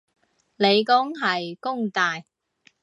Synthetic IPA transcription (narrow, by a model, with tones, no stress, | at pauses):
le˨˧jkʊ˥ŋɦɐ˨jkʊ˥ŋt̪aː˨j